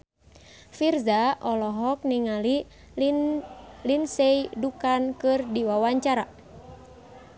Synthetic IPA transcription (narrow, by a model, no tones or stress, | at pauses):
firzaʔɔlɔɦɔk̚niŋali | linsejdukankɨrdiwawaɲt͡ʃaɾa